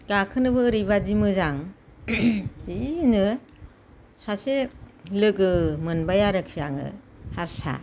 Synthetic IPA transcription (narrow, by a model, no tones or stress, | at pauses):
ɡ̥akʰɯnɯbɯːɾibadimɯzaŋ | dinɯ | saselɯɡɯmɯnbajaɾɯkʰijaŋɯ̰ | haɾsa̰